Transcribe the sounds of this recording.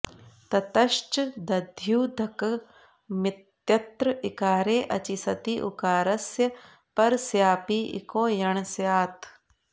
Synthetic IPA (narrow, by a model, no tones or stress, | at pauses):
t̪ɐt̪ɐʃt͡ʃd̪ɐd̪ʱjuːd̪ʱɐk | mɪt̪jɐt̪ɾəɪkaːɾeːʔɐ̰t͡ʃisɐt̪iʔṵkaːɾɐsjɐ | pɐɾsjaːpiːʔḭkõːjɐɳ̃sjaːt̪ʰ